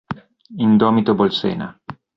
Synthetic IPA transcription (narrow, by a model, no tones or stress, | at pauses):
ind̪ɔːmit̪obolsɛ̰ːna̰